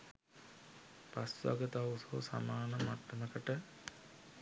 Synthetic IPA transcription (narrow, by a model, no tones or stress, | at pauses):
pasʋa̰ɡət̪awsosa̰maːɳəmaʈːəməkəʈə